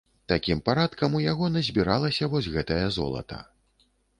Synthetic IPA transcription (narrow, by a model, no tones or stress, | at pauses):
t̪akʲimpaɾat̪kɐmujaɣɔnɐzʲbʲiɾalˠɐsʲɐvɔsʲɣɛt̪ɐjɐzɔ̰lˠɐ̰t̪ɐ̰